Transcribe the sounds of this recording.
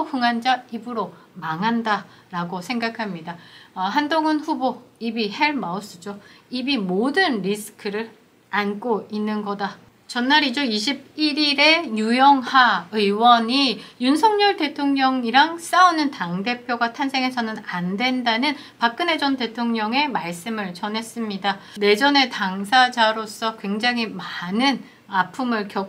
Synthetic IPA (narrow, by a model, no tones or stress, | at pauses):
okɯŋɦand͡ʑaibɯɾo | maŋɦanda | ɾaɡosʰeŋɡakʰamɲidaɦandoŋɯnɸuboibiheɭmaos͈ɯd͡ʑoibimodɯnɾisʰɯ̥kʰɯɾɯɾ | ank͈oinːɯnɡʌda | t͡ɕʌnːaɾid͡ʑoiɕ̬ʰib̚iɾiɾe̞jujʌŋhaɯiwʌɲijunsʰʌŋɲʌɭte̞tʰoŋɲʌŋiɾaŋs͈aunɯntaŋde̞pʰjoɡatʰansʰe̞ŋɦe̞sʰʌnɯnandwe̞ndanɯn | pak̚k͈ɯne̞d͡ʑʌnte̞tʰoŋɲʌŋe̞maɭs͈ɯmɯɭt͡ɕʌnɦe̞s͈ɯmɲidane̞d͡ʑʌne̞taŋsʰad͡ʑaɾos͈ʌkwe̞ŋd͡ʑaŋɦimanɯn | apʰumɯɭkjʌ